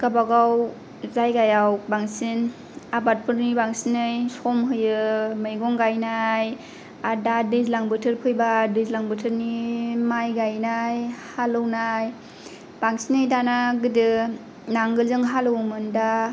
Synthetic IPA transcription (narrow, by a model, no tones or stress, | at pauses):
ɡ̥abaɡaw | zajɡajawbaŋsin | abat̚pʰɯɾnibaŋsinɯjsɔmɦɯjɯmɯjɡɔŋɡajnaj | adadɯzlaŋbɯtʰɯɾpʰɯjbadɯzlaŋbɯtʰɯɾnimajɡajnajhalɯwnaj | b̥aŋsinɯjdanaɡɯdɯ | naŋɡɯlzɯŋɦalɯwmɯnda